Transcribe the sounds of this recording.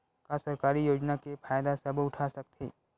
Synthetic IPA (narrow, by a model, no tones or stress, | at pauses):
kasɐɾkaːɾijoːd͡ʒnakepʰaːjd̪asɐbʊʈʰaːsɐk̚t̪ʰiː